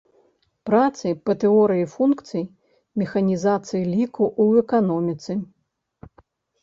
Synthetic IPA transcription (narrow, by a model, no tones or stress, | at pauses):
pɾat̪sɨjpɐt̪ɨɔɾɨjifunkt̪sɨj | mʲɛxɐnʲizat̪sɨjilʲikuʔuɛkanɔmʲit̪sɨ